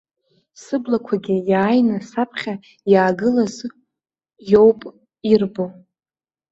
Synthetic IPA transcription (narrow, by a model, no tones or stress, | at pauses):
sɨblakʷʰaɡʲɪjaːjnasapʰχʲa | jaːɡɨlaz | jowpʼ | irbo